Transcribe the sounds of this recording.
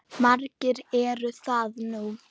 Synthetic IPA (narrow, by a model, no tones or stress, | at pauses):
maɾcɪɾɛɾʏθaðnu